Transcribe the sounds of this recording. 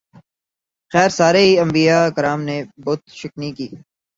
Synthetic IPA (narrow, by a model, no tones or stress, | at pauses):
xɛːɾsaːɾeiɐ̃mbijaːkɐɾaːmnebɔːt̪ʃɪknikiː